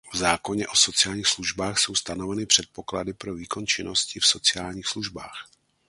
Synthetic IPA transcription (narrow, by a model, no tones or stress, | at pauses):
vzaːko̞ɲɛʔo̞so̞t͡sɪjaːlɲiːxsluʒbaːxso̞wst̪ano̞vɛnɪpr̝̥ɛt̪̚po̞kladɪpɾo̞viːko̞nt͡ʃɪno̞scɪfso̞t͡sɪaːlɲiːxsluʒba̰ːx